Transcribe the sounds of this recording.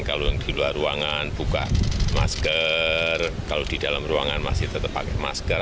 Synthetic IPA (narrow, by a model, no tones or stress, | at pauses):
nkaloŋd̥iluaruaŋanb̥uka̰ʔmaskərkalod̥id̥alamruaŋanma̰sɪht̪ət̪əpːakɛmaskə